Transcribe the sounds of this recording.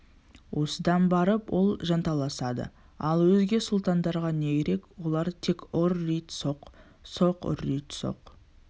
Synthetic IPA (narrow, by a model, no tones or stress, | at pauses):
wo̞səd̪ɑnbɑɾəpwo̞lˠʒɑnt̪ɑlˠɑsɑd̪ə̰ | ɑlˠwɵzɡʲe̞sʊlˠt̪ɑnd̪ɑɾʁɑne̞ɡʲeɾe̞kwo̞lˠɑɾt̪ʰe̞kʲʊɾːijt̪soq | so̞qʊ̰ɾːijt̪so̰q